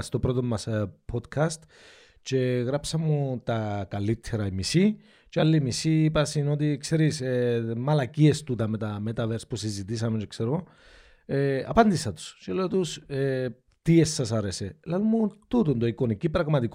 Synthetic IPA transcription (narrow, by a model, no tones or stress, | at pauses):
st̪o̞pɾo̞t̪o̞mːɐspʰo̞d̪kʰɐst̪ | t͡ʃe̞ɣɾɐpsɐmːut̪ɐkɐlit̪ʰːeɾɐimisi | t͡ʃealːimisiːpɐsino̞t̪̬ikse̞ɾisemɐlɐcie̞st̪ut̪ɐmet̪ɐmet̪ɐveɾspusizit̪isɐmet͡ʃe̞kse̞ɾoo | eɐ̰pɐnd̪isɐt̪u̥st͡ʃele̞ot̪use | t̪iesːɐsɐɾeselɐlumːut̪ut̪ond̪oiko̞nikipɾɐɣmɐt̪ik